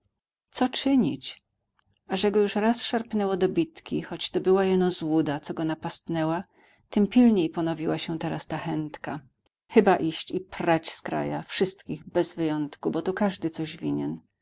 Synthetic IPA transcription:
t̪sɔt͡ʂɘɲit͡ɕ | aʐɛɡɔjuʂɾasʂaɾpnɛwɔd̪ɔbʲit̪kʲixɔt͡ɕt̪ɔbɘwajɛnɔzwud̪at̪sɔɡɔnapast̪nɛwa | t̪ɘmpʲilɲejpɔnɔvʲiwaɕɛt̪ɛɾast̪axɛnt̪ka | xɘbaʔiɕt͡ɕipɾat͡ɕskɾa̰ja̰fʂɘst̪kʲiɣbɛzvɘjɔnt̪kubɔt̪ukaʐd̪ɘt̪sɔʑvʲiɲɛn

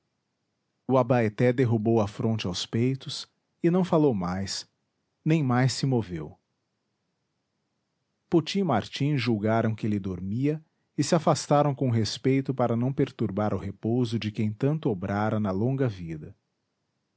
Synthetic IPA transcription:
ʊabaet̪ɛd̪eɦubowɐfɾõnt͡ʃɪawspejt̪ʊs | ɪnɐ̃w̃falowmajs | nẽj̃majsɪmovḛw | pot͡ʃĩmaɾt͡ʃĩzʒuwɡaɾɐ̃w̃kɪelɪd̪oɾmiɐ | ɪsɪafast̪aɾɐ̃w̃kõɦespejt̪ʊpaɾɐnɐ̃w̃peɾt̪uɾbaɾʊɦepowzʊd͡ʒɪkẽj̃t̪ɐ̃nt̪ʊobɾaɾɐnɐlõŋɡɐvid̪ɐ

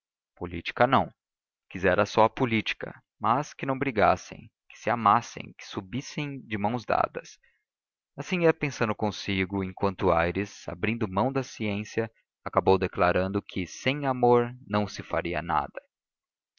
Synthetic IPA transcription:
polḭt͡ʃi̥kɐnɐ̃w̃ | kizɛɾɐsɔɐpulit͡ʃi̥kɐ̰ | mɐskɪnɐ̃w̃bɾiɡasḛ̃j̃kɪ̥sɪamasḛ̃j̃kɪ̥subisẽj̃d͡ʒɪmɐ̃w̃zd̪a̰d̪ɐs | asĩiɐpẽsɐ̃nd̪ʊkõsiɡʊẽkwɐ̃nt̪ʊajɾɪza̰bɾĩnd̪ʊmɐ̃w̃d̪ɐsiẽsiɐ | akabowd̪eklaɾɐ̃nd̪ʊkʰɪsẽj̃amoɾnɐ̃w̃sɪfa̰ɾiɐ̰na̰d̪ɐ

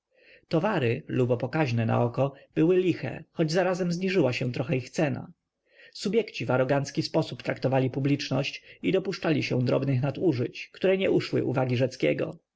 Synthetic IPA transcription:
t̪ɔvaɾɘlubɔpɔkaʑnɛna̰ɔkɔb̥ɘwɘlʲixɛ̰xɔd͡ʑzaɾazɛmzɲiʐɘwaɕɛ̃t̪ɾɔxɛixt̪sɛna̰ | subʲjɛkt͡ɕivaɾɔɡant̪skʲispɔsupt̪ɾakt̪ɔvalʲipublʲit͡ʂnɔɕt͡ɕid̪ɔpuʂt͡ʂalʲiɕɛ̃d̪ɾɔ̰bnɘxnat̪uʐɘt͡ɕkt̪uɾɛɲɛʔuʂwɘ̰ʔṵvaɡʲiʐɛt̪skʲɛ̰ɡɔ̰

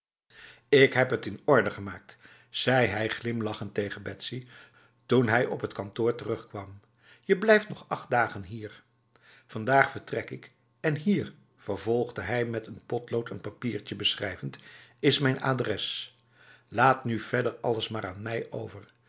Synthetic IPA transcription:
ɪkɦɛpɦətɪnɔɹdəχəmaːk̚t | z̥ɛjɦɛjχlɪmlɑχəntejχənbɛtsi | tunɦɛjɔ̰pɦətkɑntʊːɹtərɵχkʋɑm | jəblɛjftnɔχɑχt̚daːχənɦiːɹ | vɑndaːχfəɹtrɛkɪk | ɛnɦiːɹ | v̥əɹvɔlˠχdəɦɛjmɛtənpɔtlowtʰənpapiːɹt͡ʃəbəsχrɛjvəntɪsmɛjna̰ːdrɛs | laːtnyv̥ɛdəɹɑləsmaːɹaːnmɛjʔo̰wvəɹ

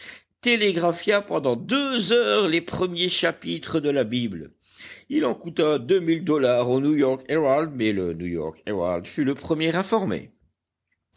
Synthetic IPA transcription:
t̪eleɡʁafjapɑ̃d̪ɑ̃d̪øzœʁlepχəmjeʃapit̪χəd̪əlabibl | ilɑ̃kut̪ad̪ømild̪ɔlaʁonujɔʁkeʁald̪mɛlənujɔ̰ʁkeʁa̰ld̪fyləpχəmjɛʁɛ̃fɔʁmḛ

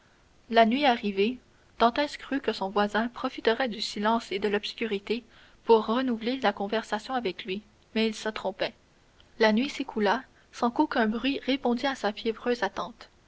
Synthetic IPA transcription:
lanɥiaʁive | d̪̥ɑ̃t̪ɛskχykəsɔ̃vwazɛ̃pχɔfit̪əʁɛd̪ysilɑ̃ːsed̪əlɔb̥skʲyʁit̪e | puʁːənuvlelakɔ̃vɛʁsasjɔ̃avɛklɥi | mɛilsət̪χɔ̃pɛ | lanɥisekʰula | sɑ̃kokʲɛ̃bʁɥiʁepɔ̃d̪iasafjɛvʁøːzat̪ɑ̃t̪

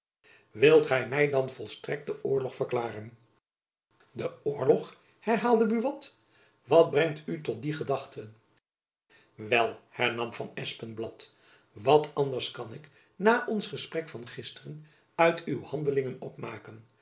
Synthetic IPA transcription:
ʋɪlˠtχɛjmɛjdɑnvɔlˠstrɛk̚t̚dəʔʊːɹlɔχfəɹklaːrən | dəʊːɹlɔχ | hɛɹɦaːlˠdəbyʋɑt | ʋɑt̚brɛŋtytɔt̚diχədɑχtən | ʋɛlˠhɛɹnɑmvɑnɛspənblɑt | ʋɑtɑndəɹskɑnɪk | naːʔɔnsχəsprɛkfɑnχɪstərən | œɥtʰywhɑndəlɪŋənɔpmaːkən

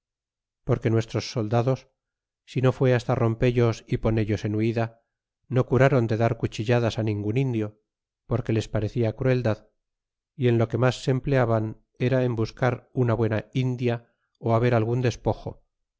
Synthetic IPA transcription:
po̞ɾke̞nwe̞st̪ɾo̞sːo̞ld̪aðo̞sː | ino̞fwe̞ast̪aro̞mpe̞ʎo̞sipo̞ne̞ʎo̞se̞nuiða | no̞kuɾaɾo̞nd̪e̞ðaɾkut͡ʃiʎaðasanĩŋɡunind̪jo̞ | po̞ɾke̞le̞spaɾe̞θiakɾue̞ld̪að | ie̞nlo̞ke̞masːe̞mple̞aβan | eɾae̞mbuskaɾunaβwe̞naind̪ja | oaβe̞ɾalɣ̞und̪e̞spo̞xo̞̰

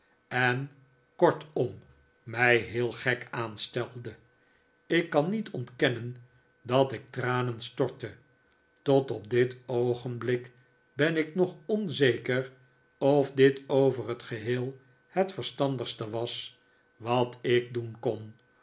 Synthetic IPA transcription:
ɛn | kɔɹtɔmː | ɛjɦɪːlˠχɛkaːnstɛlˠdə | ɪkːɑnːitʰɔntkɛnən | dɑtɪk̚traːnənstɔɹtə | tɔtɔp̚dɪtowχənblɪk | bɛnɪknɔχɔnzejkər | ɔfdɪtowvərɦətχəɦeːlˠ | hətfəɹstɑndəχstəʋɑs | ʋɑtɪk̚dunkɔn

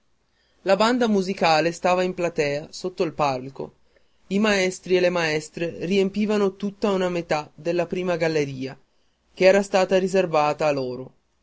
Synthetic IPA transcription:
laband̪amuzikaːlest̪aːvaimplat̪ɛːasot̪ːoilpalko̰ | imaɛst̪ɾielːemaɛst̪ɾeriempiːvanot̪ut̪ːaunamet̪ad̪elːapɾiːmaɡalːeɾiːa | k̟eɛːɾast̪aːt̪aɾizervaːt̪aːloːɾo

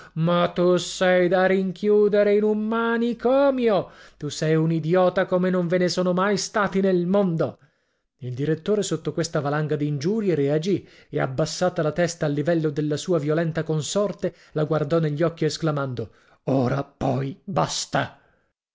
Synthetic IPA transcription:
mat̪usɛjd̪ariŋkjuːd̪eɾeinumːaːnikɔːmjot̪usɛjunid̪jɔːt̪akomenoɱvenesoːnomajst̪aːt̪inelmond̪o | ild̪iɾet̪ːoːɾesot̪ːokwest̪avalaŋɡad̪iːnd͡ʒuːɾjeɾead͡ʒiea̰bːasːaːt̪alat̪ɛst̪aːlːivɛlːod̪elːasuːavjolɛnt̪akonsɔrt̪e | laɡward̪ɔneʎːɔkːiesklamand̪o | oːɾapɔjbast̪a

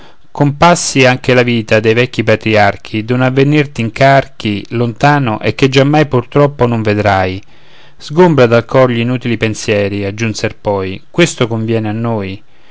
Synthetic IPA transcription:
kompasːiaŋk̟elaviːt̪ad̪ejvɛkːipat̪ɾiark̟ʰid̪onavːenirt̪iŋkark̟ʰilont̪aːnoʔek̟ːed͡ʒːamːajpurt̪ɾɔpːonoɱved̪ɾaj | z̥ɡombɾad̪alkʰɔrʎiinuːt̪ilipensjɛːɾiad͡ʒːunserpɔjkwest̪okoɱvjɛːneanːoːj

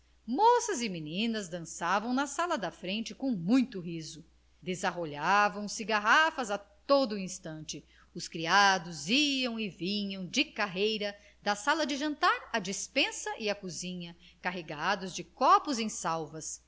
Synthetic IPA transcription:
mosɐzɪminĩnɐzd̪ɐ̃savɐ̃w̃nɐsalɐd̪ɐfɾẽnt͡ʃɪkõw̃mũj̃t̪ʊɦizʊ | d̪ezaɦoʎavɐ̃w̃sɪɡaɦafɐzat̪od̪ʊĩst̪ɐ̃nt͡ʃɪ | ʊskɾiad̪ʊziɐ̃w̃ɪvĩɲɐ̃w̃d͡ʒɪkaɦejɾɐ | d̪ɐsalɐd͡ʒɪʒɐ̃nt̪aɾɐd͡ʒispẽsɐʔɪɐkuzĩɲɐkaɦeɡad̪ʊzd͡ʒɪkɔpʊzẽj̃sawvɐs

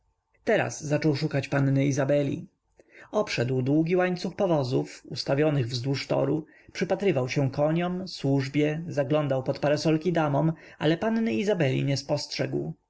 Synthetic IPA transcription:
t̪ɛɾa̰zːat͡ʂɔwʂukat͡ɕpanːɘizabɛlʲḭ | ɔpʂɛd̪wd̪wuɡʲiwaɲt̪suxpɔvɔzufust̪avʲjɔnɘɣvzd̪wuʂt̪ɔ̰ɾu | pʂɘpat̪ɾɘvawɕɛ̃kɔɲɔmswuʐbʲjɛzaɡlɔnd̪awpɔt̪paɾɛsɔlkʲid̪amɔma̰lɛpannɘizabɛlʲḭɲɛspɔstʂɛɡw

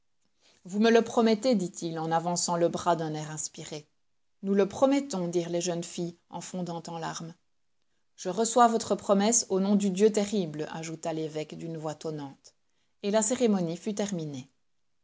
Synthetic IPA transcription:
vumələpχɔmɛt̪ed̪it̪ʰilɑ̃navɑ̃sɑ̃ləbʁad̪ɛ̃nɛːʁɛ̃spiʁe | nuləpχɔmɛt̪ɔ̃d̪iːʁleʒənfi | ɑ̰̃fɔ̃d̪ɑ̃t̪ɑ̃laʁm | ʒ̥əʁəswavɔt̪χəpχɔmɛsonɔ̃d̪yd̪jøt̪eʁibla̰ʒut̪alevɛkd̪ynvwat̪ɔnɑ̃t̪ | elaseʁemɔnifyt̪ɛʁmine

